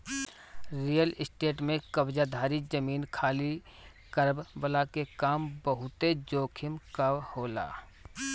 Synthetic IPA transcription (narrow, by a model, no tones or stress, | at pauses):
ɾiːjəlɪsʈeːʈmẽkəbd͡ʒad̪ʱaːɾid͡ʒəmiːnkʰaːli | kəɾbbəlakekaːmbəɦʊt̪ed͡ʒoːkʰɪmkawhoːla̰ː